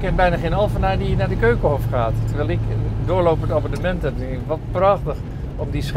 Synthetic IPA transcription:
kːɛnbɛjnaχejnɑlˠvənajdijənaːɹdəkøɥkəɦɔfχaːttəɹʋɛlˠɪkdʊːɹlowpəntaːmənəmɛntənɪkʋɑt̚prɑχtəχ | ɔmdis

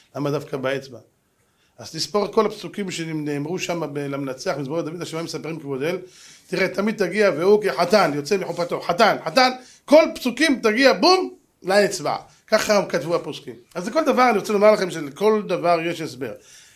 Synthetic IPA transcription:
lamad̪afkabaet͡sba̰ | ʔaztispoʁko̞lapsukimʃenineːmʁuʃamabelamenat͡seaχmizbaod̪avid̪aʃmamesapʁimkebod̪e̞l | t̪iʁet̪amid̪̚t̪aɡiaveukeħat̪anjo̞t͡semiħupat̪o̞ħat̪anħat̪an | ko̞lpsukimt̪aɡiabum | laet͡sba̰ | kaχakat̪vuaposkimazleko̞ld̪avaʁaniʁot͡selomaʁlaχemʃeleko̞ld̪avaʁjeʃes̬be̞̰ʁ

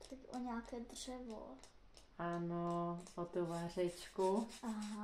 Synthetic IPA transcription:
t̪ako̰ɲaːkɛd̪ʐ̥ɛvo̰ | anoɔt̪ovarɛt͡ʃkuaɦa

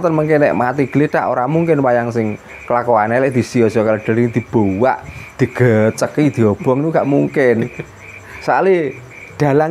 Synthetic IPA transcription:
t̪ənməŋkenɛ̰ʔmat̪iɡ̥əlet̪a̰ʔo̰ɾamuŋkɪnwajaŋsɪŋ | kəlakoanelɛʔd̪̥i̤sijɔsɔkaləɖ̥ə̤ɾid̪̥i̤b̥o̤wa̰ʔd̪̥i̤ɡ̥ət͡ʃəkid̪̥i̤ɔb̥ɔ̤ŋt̪uŋɡaʔmuŋkɪn | sa̰li | d̪̥a̤laŋ

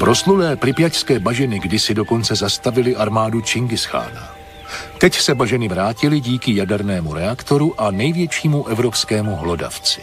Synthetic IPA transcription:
pɾo̞sludɛːplɾɪpjacskɛːbaʒɛnɪɡdɪsɪdo̞ko̞nt͡sɛzast̪avɪlɪʔaɾmaːdut͡ʃɪŋɡɪsxa̰ːna̰ | t̪ɛcsɛbaʒɛnɪvɾaːcɪlɪɟiːkɪjadɛɾnɛːmuɾɛakt̪o̞ɾuʔanɛjvjɛt͡ʃiːmuʔɛvɾo̞pskɛːmuɦlo̞da̰ft͡sɪ̥

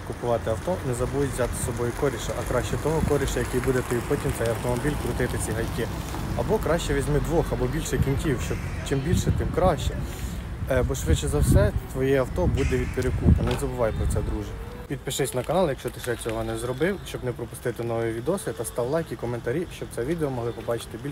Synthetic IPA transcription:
kʊpʊʋɑt̪ɪɐwt̪ɔnɛzɐbujtʲʋzʲɑt̪ɪ̥sɔbɔjʊkɔɾʲiʃɐʔɐkɾɑʃt͡ʃɛt̪ɔɦɔkɔɾʲiʃɐjɐkijbud̪ɛt̪ɔjpɔtʲimt̪sɛjɐwt̪ɔmɔbʲilʲkɾʊt̪ɪt̪ɪt͡sʲiɦɐjkɪ | ɐbɔkɾɑʃt͡ʃɛʋʲizʲmɪd̪ʋɔxɐbɔbʲilʲʃɛjkʲinʲkʲiwʃt͡ʃɔb | t͡ʃɪmbʲilʲʃɛt̪ɪmkɾɑʃʲt͡ʃɛ | ɛbɔʃʊɾet͡ʃɛzɐwsɛt̪ʋɔjɛɐwt̪ɔbud̪ɛʋʲid̪̚peɾekupɐnɛzɐbʊʋɑjpɾɔt̪sɛd̪ɾuʒɐʋʲid̪̚pɪʃɪsʲnɐkɐnɑlˠjɐkʃt͡ʃɔt̪ɪsʃɛt͡sʲɔɦɔnɛzɾɔbɪwʃt͡ʃɔbnɛpɾɔpʊ̥st̪ɪt̪ɪnɔʋiʋʲid̪ɔsʲit̪ɐst̪ɑwlˠɑjkʲikɔment̪ɐɾʲiʃt͡ʃɔb̚t̪sɛʋʲid̪eɔmɔɦlˠɪpɔbɑt͡ʃɪ̥t̪ɪbʲilʲ

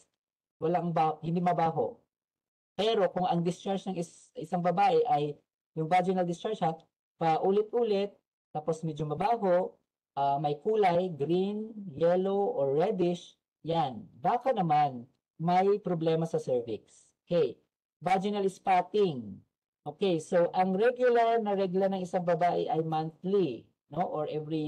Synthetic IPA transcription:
wɐlaŋbahɪ̃nd̪imɐbaːɦo̰ʔ | pɛːɾo̞kʊŋɐŋd̪ɪst͡ʃaɹʃnɐŋɪ | ɪsaŋbɐbaːʔɛʔɐj | jʊŋvad͡ʒɪnɐld̪ɪst͡ʃaɹt͡ʃɐ | pɐʔuːlɪt̪̚ʔuːlɪt̪̚ː | aːposmɛd͡ʒomɐbaːɦoʔ | ʔamɐjkuːlɐjɡɾinjɛloʔoɹːɛd̪ɪʃ | janbaːkɐnɐman | mɐjpɾoblɛmɐsɐsɛɹvɪks | hej | vad͡ʒɪnɐlɪspaːt̪ɪŋ | ʔoːkejsoʔɐŋɹɛɡjʊlɐɹnɐɾɛɡlɐnɐŋɪsaŋbɐbaːʔɛʔɐjmanθli | noʔoɹʔɛvɹi

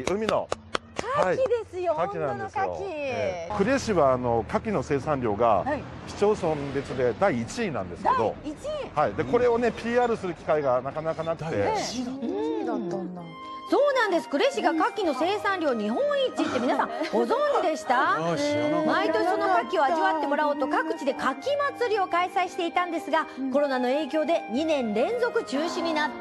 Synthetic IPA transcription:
ɯ̟mʲino̞̰kaaiid̪esɨjokakʲinãndesjo̰kʲikɯ̟ɾe̞ɕiβaːno̞kakʲino̞se̞ːsãɲʲɾʲo̞ːɡa̰çi̥t͡ɕo̞ːsõmbe̞t͡sɨd̪e̞d̪aiːt͡ɕiːnã̰nd̪e̞sɨe̞d̪o̞̰haid̪eko̞ɾe̞o̞ne̞pʲiːaːɾɯ̟sɨɾɯ̟kʲi̥kaiɡanakanakanakɯ̟t̪e̞ | so̞ːnãnd̪e̞sɨ̥kɯ̟ɾe̞ɕiɡakakʲːino̞se̞ːsãnɾʲo̞ːɲ̟iɦõ̞ɰ̃it͡ɕit̪ːe̞mʲinasãŋŋɡo̞zõ̞ɲd͡ʑid̪e̞ɕi̥t̪a | mait̪o̞ɕisono̞kakʲio̞aʑiβat̪ːe̞mo̞ɾaoːt̪o̞kakɯ̟̥t͡ɕid̪e̞kakʲimat͡sɨɾʲio̞kaisaiɕi̥t̪e̞it̪ãnd̪e̞sɨɡako̞ɾo̞nano̞e̞ːk̬ʲo̞ːd̪e̞ɲ̟inẽ̞nɾẽ̞nzo̞kɯ̟t͡ɕɨːɕĩɲ̟ːinat̪ː

